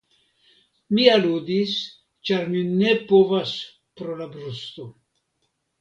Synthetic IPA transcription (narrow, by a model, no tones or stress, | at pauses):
mialud̪is | t͡ʃaɾmine̞po̞vas | pɾolabɾust̪o